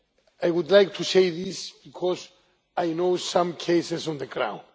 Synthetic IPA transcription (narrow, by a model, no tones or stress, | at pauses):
ajwud̪lajk̚t̪ʰusejðisb̥ikʰɔz | ajnoʊsãmkʰeɪsesɔ̃nðəɡɹã̰w̃nd